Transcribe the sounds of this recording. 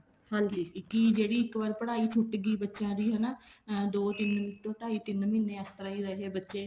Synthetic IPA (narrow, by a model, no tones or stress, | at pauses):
hãld͡ʒikiːd͡ʒeːɽiːɪkʋaːɾpəɽaːiːt͡ʃʰʊʈɡiːbətːʃãːɾiːɦənaːd̪oːt̪ɪnmɪt̪õːt̪aːiːt̪ɪnmɪnːẽːəst̪əɾaːiːɾəɦeːbətːʃeː